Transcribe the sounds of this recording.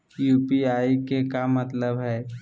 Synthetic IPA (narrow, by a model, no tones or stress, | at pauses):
juːpiaːikekamɐt̪ləbɦɛː